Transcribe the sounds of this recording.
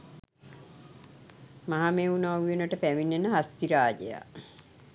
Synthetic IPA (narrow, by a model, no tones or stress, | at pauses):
maɦameunaːujenəʈəpæʋinːenəɦast̪iɾaːd͡ʒḛja̰